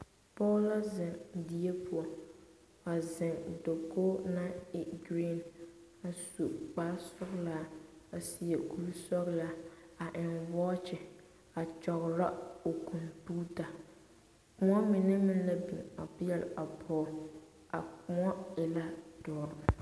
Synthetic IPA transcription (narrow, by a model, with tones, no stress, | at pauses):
pɔ˦la˦zɪ˨ŋdi˨je˦pʰʊ˦ɔ˨ | a˨zɪ˨ŋdo˨ko˦na˦ɪ˦ɡɾi˦˨n | a˨su˨k͡paː˦sɔ˦kla˦a˨si˨e˨ku˦lsɔ˦ɣla˦a˨ʔɪ˨nwɔː˦t͡ʃɪ˨ | a˨t͡ʃɔ˨ɣɾa˦o˨kʰu˨npu˦ta˨ | kʊ˦ŋɔ˦mɪ˨nɪ˦mɪ˦n˦la˦bi˨ŋa˨pɪ˦jɛ˦˨la˨pʰɔː˦ | a˨kʊ˨ŋɔ˦ɪ˨la˦dɔ˨ɾʊ˨